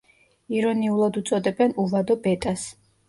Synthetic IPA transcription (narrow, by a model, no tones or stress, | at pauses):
iɾɔniulˠad̪ut̪sʼɔd̪ɛbɛnuvad̪ɔbɛt̪ʼas